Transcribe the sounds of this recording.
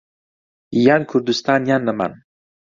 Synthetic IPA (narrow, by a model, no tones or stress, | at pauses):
jankʰuɾd̪ust̪ʰaːnjanːɐma̰n